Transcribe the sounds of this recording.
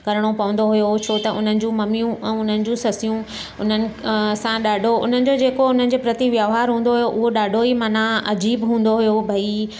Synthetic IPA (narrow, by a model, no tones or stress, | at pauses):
kɐɾəɽ̃opɐʋə̃nd̪oɦʊjot͡ɕʰoːt̪ɐʔʊn̤ənɪ̆d͡ʑũːmɐmijũʔɛ̃ːʊn̤ənɪ̆d͡ʑũːsɐsijũ | ʊn̤ənɪ̆sãɗaːɖʱoʊ̰n̤ənɪ̆d͡ʑod͡ʑeːkoʊn̤ənɪ̆d͡ʑoːpɾɐt̪iʋjaʋɦaːɾɦũːn̆d̪oɦʊjoʔʊɦoɗaːɖʱoimɐnaɐd͡ʑiːbɦũːn̆d̪oɦʊjobʱɐi